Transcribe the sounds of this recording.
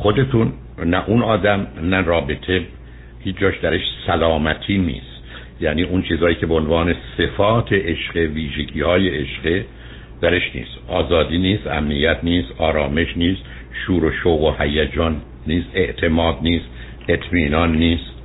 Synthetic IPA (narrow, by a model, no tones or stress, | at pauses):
xod̪e̞t̪ʰun | næʔunɒːd̪æmnærɒːbet̪ʰe | hiːd͡ʒɒːʃd̪æɾeʃsælɒːmæt̪ʰiːnḭːst̪ | jæːniːʔunt͡ʃʰiːzɒːjiːcʰʲebeonvɑːne̞se̞fɒːt̪ʰeʔeʃɢeviːʒeɟiːhɒːjeʔeʃɢe | d̪̥æɾeʃnḭːst̪ʔɒːzɒːd̪iːniːst̪æ̰mnijæt̪ʰniːst̪ɒːɾɒːme̞ʃniːst̪ | ʃuːɾoʃoːɣohæjæd͡ʒɒːnː | iːst̪e̞ʔt̪ʰe̞mɒːd̪niːst̪ | e̞t̪ʰmiːnɒnːiːst̪